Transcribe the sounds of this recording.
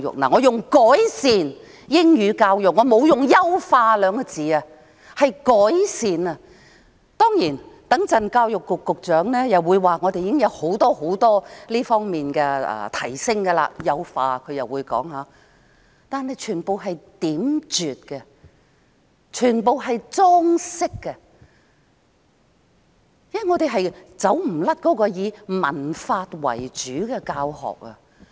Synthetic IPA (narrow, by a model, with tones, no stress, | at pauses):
jʊ̰˨k̚na̰ː˨ŋɔː˨˧jʊ˨ŋkɔː˨˥jsiː˨n | jɪ˥ŋjyː˨˧kaː˧wjʊ˨k̚ŋɔː˨˧mo˨˧wjʊ˨ŋjɐ˥wfaː˧lœː˨˧ŋkɔ˧t͡siː˨ɐ˧ | hɐ˨jkɔː˨˥jsiː˨nɐ˧ | t̪ɔː˥ŋjiː˨˩nt̪ɐ˨˥ŋt͡sɐ˨nkaː˧wjʊ˨kːʊ˨kːʊ˨k̚t͡ʃœː˨˥ŋlɛː˥jɐ˨wuː˨˧jwaː˨ŋɔː˨˧t̪e˨jiː˧˦ɪ˥ŋjɐ˨˧who˨˥wt̪ɔː˥ho˨˥wt̪ɔː˥liː˥fɔː˥ŋmiː˨nkɛː˧ɐ̰ː˨˩t̪ʰɐ˨˩jsɪ˥ŋɡɐ˧la̰ː˧jɐ˥wfaː˧kʰɵ˨˧ɥjɐ˨wːuː˨˧jkɔ̰ː˨˥ŋhaː˨˧ | t̪aː˨˧nɦɐ˨jt͡ʃʰyː˨˩npo˨wɦɐ˨jt̪iː˨˥mt͡ʃyː˨t̚kɛ˧ | t͡ʃʰyː˨˩npo˨wɦɐ˨jt͡sɔː˥ŋsɪ˥kːɛ˧ | ja˥˨jŋɔː˨˧t̪e˨jɦɐ˨jt͡sɐ˨˥wm̩˨˩lɐ˥t̚kɔː˨˥kɔː˧jiː˨˧mɐ̰˨˩nfaː˧t̚wɐ̰˨˩jt͡ʃyː˨˥kɛː˧kaː˧whɔ̰ː˨k̚ɐ̰˧